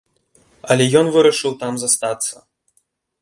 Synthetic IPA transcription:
ɐlʲɛjɔnvɨɾɐʂɨwt̪amzɐst̪at̪sːɐ

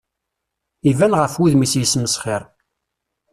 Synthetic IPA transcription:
ivænʁəfwiðmisjəsməsχɪɾˤ

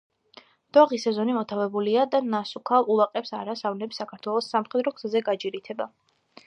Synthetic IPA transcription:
d̪̥aʁisɛzɔnimɔt̪ʰavɛbuliad̪anasukʰalˠulˠaqʼɛpsa̰ɾasavnɛpsakʰaɾt̪ʰwɛlˠɔsːamχɛd̪ɾɔkʰz̥azɛɡad͡ʒiɾit̪ʰɛba

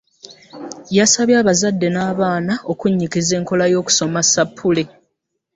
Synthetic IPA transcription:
jasaβjaːβazadːe̞naːβaːnao̞kuɲːikize̞ːŋko̞lajo̞ːku̥so̞masapʰːule̞

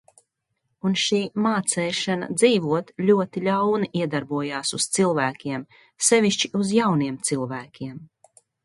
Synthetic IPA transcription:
unʃiːmaːt̪sɛːʃana̰d̪ziːvuɔt̪lʲuɔt̪ilʲawniʔiɛd̪aɾbuɔjaːsust̪silˠvæːkʲiɛm | sɛvʲiʃt͡ʃiuzjawniɛmt̪silˠvæːkʲʰiɛm

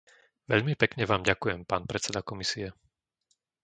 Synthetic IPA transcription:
ʋɛʎmipɛkɲɛʋaːmɟakujɛmpaːnpɾɛt͡sɛd̪akɔmisiɛ

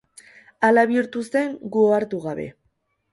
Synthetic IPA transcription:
alaβiɾt̪ust̪e̞ŋɡuoaɾt̪uɣaβe̞̰

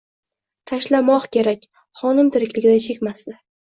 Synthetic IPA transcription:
t̪ʰaʃlamɒqkʲe̞ɾakʲ | χɒnɪmt̪ʰɪɾɪkʲlɪɡʲɪd̪ant͡ʃʰe̞kʲmasd̪ɪ

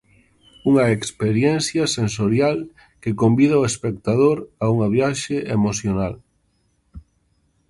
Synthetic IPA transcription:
uŋɐekspeɾjɛnθjɐsensoɾjal | kekombið̞aoespek̚t̪að̞oɾauŋaβ̞jaʃeʔemoθjonal

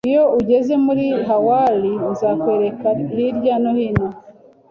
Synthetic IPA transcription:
ijo̞ʔuɟe̞ze̞muɾiɦawalinzakwe̞ːɾe̞kahiɾɟano̞hino

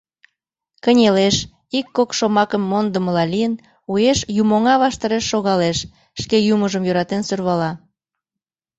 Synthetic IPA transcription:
kənʲeleʃ | ikːokʃomɑkəmːond̪əməlɑlijən | ujeʃjumoŋɑβɑʃt̪ɑɾeʃːoɣɑleʃː | kejuməʒəmjøɾɑt̪ensørβɑlɑ

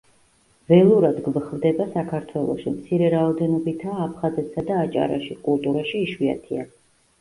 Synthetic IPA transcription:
vɛlˠuɾad̪ɡvχvd̪ɛbasakʰaɾt̪ʰwɛlˠɔ̰ʃimt̪sʰiɾɛɾaɔd̪ɛnɔbit̪ʰaːpʰχazɛt̪ʰsad̪aːt͡ʃʼa̰ɾa̰ʃikʼulˠt̪ʼuɾaʃiːʃwia̰t̪ʰia

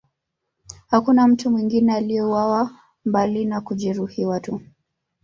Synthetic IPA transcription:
hakunam̩tumwiŋɡinɛalijɛuwawa | mbalinakuʄiɾuhiwatu

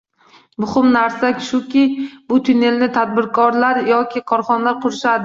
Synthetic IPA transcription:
mʊhɪmnaɾsakʲʃʊkʲɪb̥ʊt̪ʰʊne̞lnɪt̪ʰad̪̚bɪɾkʰɒɾlaɾjɒkʲʰɪkʰɒɾχɒnalaɾqʰʊɾɪʃad̪ɪ

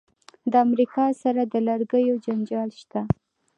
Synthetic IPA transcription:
d̪əamɾikɑsaɾad̪ələɾɡəjod͡ʒand͡ʒɑlʃt̪a

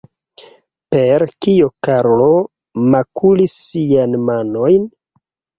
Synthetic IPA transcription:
pe̞ɾkijokaɾlo̞ | makulisːijanmano̞jn

